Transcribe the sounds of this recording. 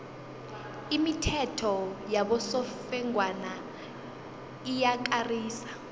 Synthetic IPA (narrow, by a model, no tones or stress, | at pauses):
imitʰɛtʰɔjaɓɔsɔfɛŋwana | ijak̬ariːsḁ